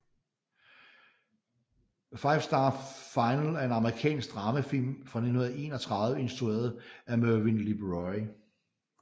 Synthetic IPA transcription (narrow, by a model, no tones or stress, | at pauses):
fɑ̈ɪfsd̥ɑ̈fɑ̈ɪnəlæɐe̝nɑ̈məʁikʰɛ̰ːnsɡ̥̚d̥ʁɑ̈məfil̰mfʁɑ̈ne̝̥hun̩ˠe̝̰ːnɒ̽t͡sʰʁɑ̈ðˠʋəe̝nsd̥ʁue̝̰ːɐð̩ˠæmøʋinlib̥ʁɒɪ